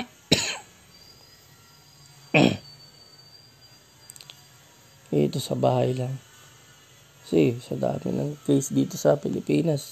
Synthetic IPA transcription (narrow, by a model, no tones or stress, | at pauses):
ɛ̰ːt̪o̞sɐbaːhɐjlaŋ | sisɐd̪a̰ːmɪ̰nɐŋkejsd̪iːt̪o̞sɐpɪlɪpiːnɐs